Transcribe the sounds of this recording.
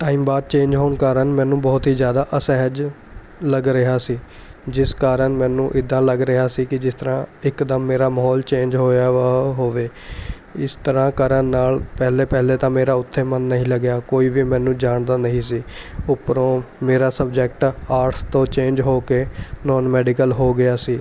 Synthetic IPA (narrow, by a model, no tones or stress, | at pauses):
ʈaːiːmbaːd̪̚t͡ʃẽːnd͡ʒɦoːɳkaːɾənmɛ̃ːnũːbɔːt̪ɦiːzjaːd̪aːʔəsɛːɦəd͡ʒ | ləɡɾɪɦaːsiː | d͡ʒɪskaːɾəɳmɛ̃ːnũːʔɪd̪ãːləɡɾɪɦaːsiːkɪd͡ʒɪst̪əɾãːɪkd̪əmːeːɾaːməɦɔːlt͡ʃẽːnd͡ʒɦoːaːɦoːʋeː | ɪst̪əɾãːkəɾənnaːlpɛːɦleːpɛɦleːt̪ãːmeːɾaːʊt̪ʰːeːmənːəɦĩːləɡjaːkoːiːʋiːmɛ̃ːnũːd͡ʒaːɳd̪aːnəɦĩːsiːʊpɾõːmeːɾaːsəb̚d͡ʒək̚ʈaːɾʈst̪õːt͡ʃẽːnd͡ʒɦoːkeːnɔːnmɛːɖɪkəlɦoːɡɪaːsiː